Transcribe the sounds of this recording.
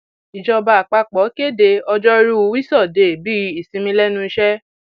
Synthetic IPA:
i˨d͡ʒɔ˧ba˧˨a˨k͡pa˧k͡pɔ˨˦ke˦˨de˧ɔ˧d͡ʒɔ˦ɾu˦u˨˧˦wi˦sɔ˦˨de˨bi˦i˨sĩ˧mĩ˧lɛ˦nũ˦i˧ʃɛ˦

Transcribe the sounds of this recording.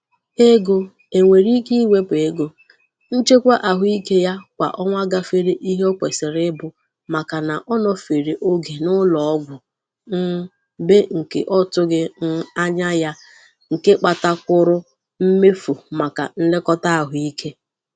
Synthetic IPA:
e˦ɡo˨ | e˨ŋʷe˨ɾi˦ki˦i˦we˦pe˨˦ɡo˨ | n̩˦t͡ʃe˦kʷa˦ʔa˨ɦʊ˦i˦ke˦ja˦kʷa̰˨ʔɔ˦ŋʷa˦ɡa˦fe˦ɾe˦ʔi˦ɦe˦ɔ˦kʷe˨se˨ɾɪ˦bʊ˨ | ma˨ka˨na˨ʔɔ˦nɔ˦fe˨ɾe˨ʔo˦ɡe˨nʊ˦lɔ˨ɔ˦ɡʷʊ˨ | n̩˦ | be˦ŋ̩˨kḛ˨ʔɔ˦tʊ˦ɡɪ˦n̩˦a˦ɲa˦ja˦ | ŋ̩˨ke˦k͡pa˨ta˦kʷʊ˦ɾʊ˦ | m̩˦me˦fu˨ma˨ka̰˨n̩˦lɪ˦kɔ˦ta˦a˨ɦʊ˨i˦kʰe˦

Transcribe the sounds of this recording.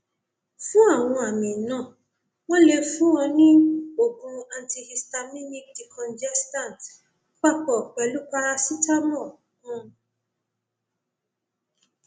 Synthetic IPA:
fũ˦a˦˨w̃ɔ̃˧a˨mĩ˨nã˦˨ | w̃ɔ̃˦le˧fũ˦wɔ̃˧nĩ˦o˦˨kũ˧a˧nti˧hi˧sta˧mĩ˦mi˦kdi˨kʰɔ̃˨nd͡ʒɛ˦stã˦˨t | k͡pa˦˨k͡pɔ˨k͡pɛ˨˦lu˦k͡pa˧ɾa˧si˦ta˦mɔ̃˦˨ | ũ˦˧

